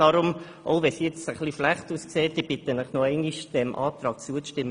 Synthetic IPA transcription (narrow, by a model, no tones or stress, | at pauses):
ɑɾʊm | ʔoʊʋɛsjɛt͡səχliflæχtuːskseːt̚d̥ib̥ɪt̪ənəχnɔɛɪŋiʃd̥ɛmʔɑ̰ːt̪ɾɑːk̚t͡suəʃtɪmː